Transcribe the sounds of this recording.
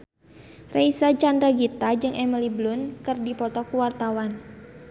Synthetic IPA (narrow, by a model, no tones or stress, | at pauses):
reisat͡ʃandɾaɡit̪ad͡ʒɨŋʔɛməliblʊnkɨrdipɔt̪ɔkuwart̪awan